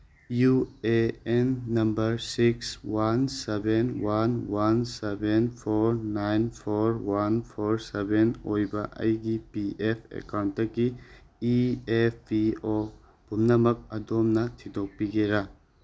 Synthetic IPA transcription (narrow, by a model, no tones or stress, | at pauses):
jueenːɐmbɐɾsikswansebenwanwansebʱenpʰoɾnajnpʰoɾwanpʰoɾsebʱenojbɐʔɐ̰jɡipiʔepʰḛkawntdɐɡiː | eppio | b̥ʱumnɐmɐk̚ɐdomnɐtʰidok̚piɡeɾa